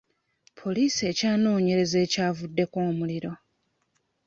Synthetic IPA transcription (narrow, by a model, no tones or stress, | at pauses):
pʰo̞liːsie̞ːcaːno̞ːɲe̞ɾe̞ze̞ːcaːvudːe̞ko̞ːmuliɾo̞